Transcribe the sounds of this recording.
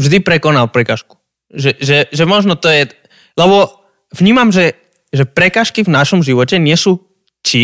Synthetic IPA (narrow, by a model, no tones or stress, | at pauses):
vʒd̪ipɾɛkɔnalpɾɛkaːʃku̥ | ʒɛʒɛʒɛmɔʒnɔt̪ɔjɛ | lɛbɔ | vɲiːmamʒɛ | ʒɛpɾɛkaːʃkivnaʃɔmʒiʋɔcɛɲɪɛsuː | t͡ʃi